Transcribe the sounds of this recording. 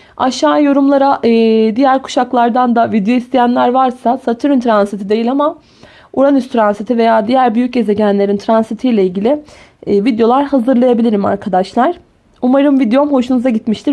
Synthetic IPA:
aʃaːjo̞ɾumlˠaɾaʔɯːd̪ijæɾkʰu̥ʃaklˠaɾd̪and̪avid̪ejo̞ist̪ʰijænlʲæɾvaɾsasat̪ʰɯɾɯnt̪ʰɾansit̪ʰid̪e̞jilʲama | uɾanyst̪ʰɾanset̪ʰive̞jaːd̪ijæɾbyjyc̚e̞ze̞ɟænlʲe̞ɾint̪ʰɾansit̪ʰijlʲeilʲɟilʲɪː | vid̪jo̞lˠaɾhazɯɾlˠajabilʲiɾima̰ɾkʰad̪aʃlˠaɾ̥ | umaɾɯmvid̪jo̞mho̞ʃunuzaɟit̪miʃt̪ʰi

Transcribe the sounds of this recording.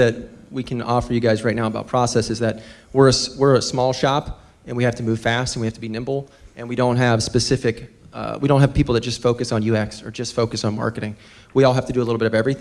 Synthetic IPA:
ðɨt̚wikʰɨ̃nɔfə˞jɨɡaɪzɹaɪtⁿnaʊəbaʊt̚pʰɹ̥ɔsɛsɨzðɨt̚wəɹɨswɪɹəsmɔlˠʃɑp | ɨ̃nwihæftʰɨmʉv̥fæstn̩wihæftʰəbinɪ̃mbl̩ˠʔɨ̃nwiɾõʊ̃nt̚ɦɨv̥spɨsɪfɨkwiɾõʊ̃nɦɨv̥pipl̩ˠðɨtd̥ʒ̥ʌstfoʊkɨsn̩jʉɛksə̰˞d͡ʒʌstfoʊkɨsn̩mɑ̰ɹkɨɾɪ̃ŋ | wiɔlˠɦæftɨdɨəlɪɾl̩ˠbɪɾʌvɛvɹiθ

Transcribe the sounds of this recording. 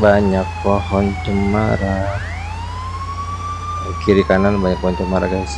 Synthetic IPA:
baɲak̚pɔɦɔnt͡ʃəma̰ɾa | kiɾikananbaɲak̚pɔɦɔnt͡ʃəmaɾaɡas

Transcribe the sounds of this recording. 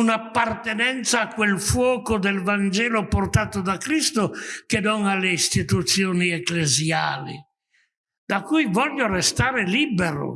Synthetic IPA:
unapːart̪enɛnt̪saːkːwelfwɔːkod̪elvand͡ʒɛːloport̪aːt̪od̪akɾist̪okenɔŋalːeist̪it̪ut̪sːjoːniɛklezjaːlḭ | d̪akːujvɔʎːorest̪aːɾeliːbeɾo̰

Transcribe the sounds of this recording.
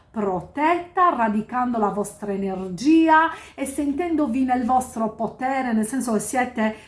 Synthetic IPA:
pɾot̪ɛt̪ːarad̪ikand̪olavɔst̪ɾaenerd͡ʒiːaesːent̪ɛnd̪ovinelvɔst̪ɾopot̪ɛːɾenelsɛnsokesːjɛːt̪e

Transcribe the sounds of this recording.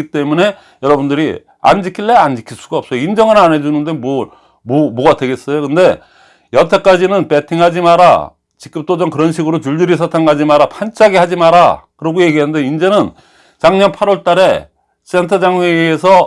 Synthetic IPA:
it͈e̞mune̞ | jʌɾʌbundɯɾi | a̰nd͡ʑikʰiɭːeand͡ʑikʰiɭs͈uɡaʌp̚s͈ʌjoind͡ʑʌŋɯnanɦe̞d͡ʑunɯnde̞mo | momoɡadwe̞ɡe̞s͈ʌjokɯnde̞ | jʌtʰek͈ad͡ʑinɯnp͈e̞tʰiŋɦad͡ʑimaɾa̰ | t͡ɕik͈ɯm̚t͈od͡ʑʌŋkɯɾʌnɕʰiɡɯɾot͡ɕuɭdɯɾisʰatʰaŋad͡ʑimaɾapʰant͡ɕ͈ʰaɡiɦad͡ʑimaɾakɯɾʌɡoje̞ɡiɦanndeind͡ʑe̞nɯn | t͡ɕaŋɲʌnpʰaɾʌɭt͈aɾe̞ | sentʰʌd͡ʑaŋweːsʰʌ

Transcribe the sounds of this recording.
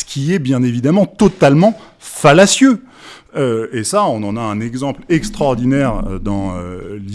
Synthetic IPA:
sə̥kʲiɛbjɛ̃nevid̪amɑ̃t̪ɔt̪almɑ̃ | falasjø | øesaɔ̃nɑ̃naɛ̃nɛɡzɑ̃plɛkst̪χɔʁd̪inɛʁd̪ɑ̃ø̰li

